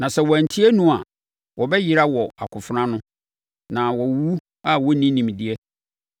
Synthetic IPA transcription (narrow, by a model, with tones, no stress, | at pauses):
nã˨sɛ˨wɔ˨æ˨n˨tʰi˦ɛ˦nũ˦a̰˨ | wɔ˨bɛ˦jɪ˨ɾa˦wɔ˨a̰˨kʰʊ˨fʊ˦ɾã˦nʊ̃˦ | nã˨wɔ˨wu˦ | a˦wɔ˦nĩ˦nĩ˨m˨di˨ɛ˦